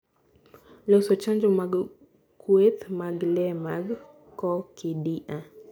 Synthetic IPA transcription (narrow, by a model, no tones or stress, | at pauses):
losot͡ʃand͡ʒomaɡ | kwet̪maɡlɛmaɡ | kɔkidiʔa